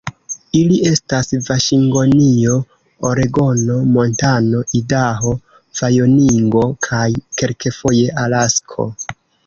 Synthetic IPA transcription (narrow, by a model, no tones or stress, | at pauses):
ilie̞stasvaʃiŋɡo̞nio̞ | oɾeɡo̞no̞mo̞ntano̞ʔidaɦo̞ | v̥ajo̞niŋɡo̞kʰajke̞lke̞fo̞je̞ʔalaskʰo̞̰